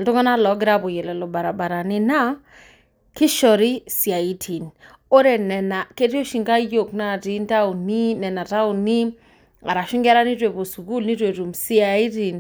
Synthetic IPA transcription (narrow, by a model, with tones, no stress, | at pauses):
ltɔ˦ŋɔ˦na˦lɔ˨˦ɡɾa˦po˨je˨lɛ˨lɔ˨ba˨ɾa˨ba˨ɾa˨ni˦na˦ | kɪ˦ʃɔ˨ɾi˦si˨a˨i˦tʰi˨n | o˦ɾe˨nɛ˨na˨ke˦ti˦o˦ʃi˨ŋɡa˦jo˨kna˦˨ti˨˦n˦ta˦u˨ni˦nɛ˨na˨ta˦u˨ni˦ | a̰˨ɾa˨ʃu˦ŋɡa˦ɾa˦ni˦twe˨po˨su˨ɡu˦lni˦twe˨ɾu˨msi˦a˨i˦ti˨n